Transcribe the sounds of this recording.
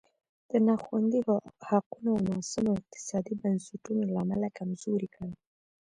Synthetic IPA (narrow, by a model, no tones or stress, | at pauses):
d̪̥ənaxwand̪ihaqunonɑsamaɪq̚t̪ɪ̥sɑd̪ibansɪʈunolaːmalakamzoɾikəwi